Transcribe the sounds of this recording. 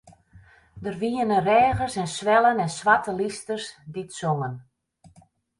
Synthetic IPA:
dərʋiənərɛːɣərsɛnsʋɛlˠənɛnsʋatəlistərsditsoŋən

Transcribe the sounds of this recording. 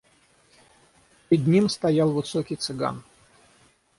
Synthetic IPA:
pʲɪɾʲɪd̪ʲnʲimst̪ɐjalˠvɨsokʲijt̪sɨɡa̰n

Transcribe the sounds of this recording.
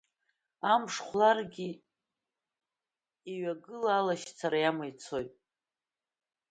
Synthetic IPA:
amʂχʷlarɡʲi | iɥaɡɨlaːlaʃt͡sʰaɾajamajt͡sʰo̞jtʼ

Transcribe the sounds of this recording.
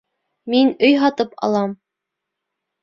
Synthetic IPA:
minɵjɦɑt̪ɤpɑ̰lˠɑm

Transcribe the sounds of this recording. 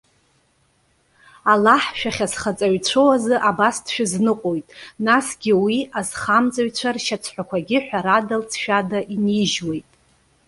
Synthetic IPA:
alaħʃᶣaχʲasχat͡sʼaɥt͡sʷʰowazɨʔabasdʰʃᶣaznɨqʼojtʼnasɡʲɪwiazχamt͡sʼaɥt͡ɕʷʰarʃat͡sʷʰħʷᶣakʷʰaɡʲɪħʷᶣaɾadalt͡sʰʃᶣadaʔiniʒwe̞jtʼ

